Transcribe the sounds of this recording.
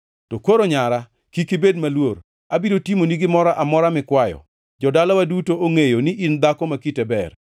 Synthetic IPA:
tɔkoɾoɲaɾa | kikɪbed̚malwor | abidotimoniɡɪmɔɾaʔamɔɾamɪkwajɔ̰ | d͡ʒɔdalawadutooŋejonɪʔind̪akɔmakitebɛr

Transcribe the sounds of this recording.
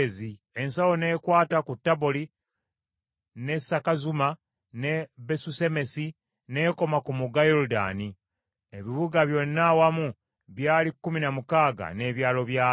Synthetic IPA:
zi | e̞nsawo̞ne̞ːkwaːtakutːaboli | ne̞sakazuma | ne̞be̞suse̞me̞si | ne̞ːko̞makumuɡajoluda̰ːni | eβiβuɡaβjo̞nːawamu | βjaːlikːuminamukaːɡa̰ne̞ːβjaːlo̞βjaː

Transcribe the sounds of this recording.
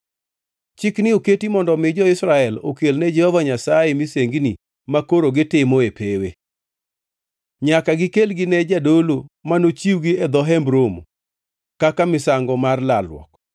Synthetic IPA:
t͡ʃɪknɪoketimɔndɔmɪd͡ʒɔɪsɾaɛlokelnɛd͡ʒɛhɔvaɲasajemiseŋɡni | makoɾoɡɪtɪmɔepewe | ɲakaɡɪkelɡɪnɛd͡ʒadolomanot͡ʃiwɡiɛd̪ɔɦɛmbɾomo̰ | kakamɪsaŋɡɔmarlalwɔ̰k̚

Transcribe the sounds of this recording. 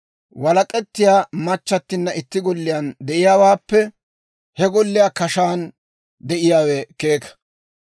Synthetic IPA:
wɐlɐkʼɛt̪ːɪjaːmɐt͡ʃːɐt̪ːɪnːɐʔɪt̪ːɪɡɔlːɪjand̪ɛʔɪjaːwaːpːɛ | hɛɡɔlːɪjaːkɐʃaːn | d̪ɛʔɪjaːwɛkeːkɐ̥

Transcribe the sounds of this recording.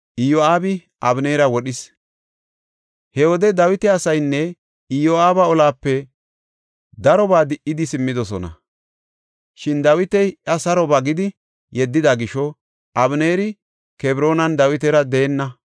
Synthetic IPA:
ʔɪjoaːbɪ | ʔɐbneːɾɐwɔɗɪs | hɛwɔd̪ɛd̪ɐwɪt̪ɛɐsɐjnːɛ | ɪjoaːbɐɔlaːpːɛ | d̪ɐɾɔbaːd̪ɪʔɪd̪ɪsɪmːɪd̪ɔsɔnɐ̰ | ʃɪnd̪ɐwɪt̪ɛjʔɐsɐɾɔbɐɡɪd̪ɪ | jɛd̪ːɪd̪aɡɪʃɔ | ʔɐbneːɾɪ | kɛbɾo̞ːnɐnd̪ɐwɪt̪ɛɾɐd̪e̞ːnːɐ

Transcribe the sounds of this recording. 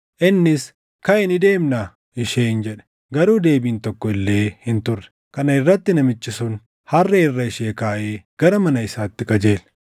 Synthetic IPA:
ʔɪnːɪs | kɐɪnɪd̪e̞ːmnɐ | ɪʃeːnd͡ʒɛᶑɛ̥ | ɡɐɾuːd̪e̞ːbiːnt̪ɔkːɔɪlːe̞ːhɪnt̪ʊrːɛ̥ | kɐnɐɪrːɐt̪ːɪnɐmɪt͡ʃːɪsʊn | hɐrːeɪrːɐɪʃeːkaːʔeːɡ̥ɐɾɐmɐnɐɪsaːt̪ːɪkʼɐd͡ʒe̞ːl

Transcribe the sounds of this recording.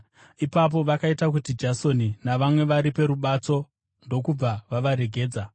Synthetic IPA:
ipap̬o̞ʋakaitakutid͡ʒaso̞ninaʋamwe̞ʋaɾipe̞ɾuɓat͡so̞ | ndo̞kub͡vaʋaʋaɾe̞ɡʱe̞ːd͡za

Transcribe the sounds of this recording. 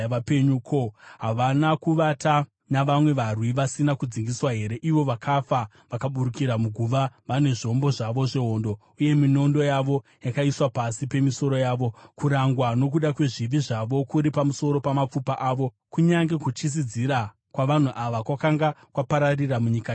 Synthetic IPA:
ʋapeɲukʰoɦaʋanakuʋata | naʋamwe̞ʋarwiʋasinakud͡ziŋɡiswaɦe̞ɾe̞ʔiʋo̞ʋakʰafa | ʋakaɓuɾukiɾamuɡʱuʋaʋane̞ʐio̞mbo̞ʐaʋo̞ʐe̞ɦo̞ːndo | uje̞mino̞ndo̞jaʋo̞jakaiswapasipe̞miso̞ɾo̞jaːʋo̞kuɾaŋɡwano̞k̬uɗakwe̞ʐiʋiʐaʋo̞kuɾipamuso̞ɾo̞pamap͡fupaʔaːʋo̞ | kuɲaŋɡe̞kut͡ʃis̬id͡ziɾa | kwaʋan̤uʔaʋakwakaŋɡakwapaɾariramuɲika

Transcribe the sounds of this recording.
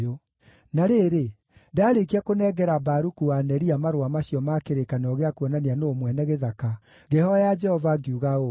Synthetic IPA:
o | naɾeːɾe | daɾekiakonɛɡɛɾabaɾukuanɛɾiamaɾowamaɕiɔmakeɾekanɔɣeakwɔnanianoːmwɛnɛɣeðaka | ɡehɔjad͡ʒɛhɔvaɡiuɣao

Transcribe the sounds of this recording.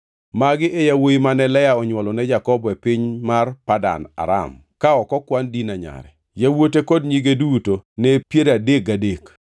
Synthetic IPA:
maɡɪʔejawoimanɛlɛjaɔɲwɔlɔnɛd͡ʒakɔbɔɛpɪɲmarpada̰na̰ɾa̰m | kaɔkɔkwandinaɲa̰ɾɛ̰ | jawotekodɲiɡedutonɛpjeɾadekadek

